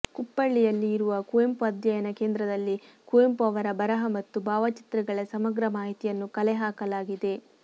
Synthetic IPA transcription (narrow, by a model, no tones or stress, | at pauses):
kupːɐɭːijɐlːiːɾuʋɐkuempuɐd̪jɐjɐnɐkeːnd̪ɾɐd̪ɐlːi | kuempuɐʋɐɾɐbɐɾɐɦɐmɐt̪ːubʱaːʋɐt͡ʃi̥t̪ɾɐɡɐɭɐsɐmɐɡɾɐmaːɦit̪ijɐnːukɐlɛɦaːkɐlaːɡid̪e̞